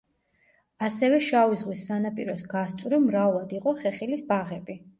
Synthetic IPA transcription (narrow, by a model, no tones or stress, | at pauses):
asɛvɛʃavizʁwisːanapʼḭɾɔsɡast̪sʼɾimɾavlˠad̪iqʼɔχɛχilisbaʁɛbi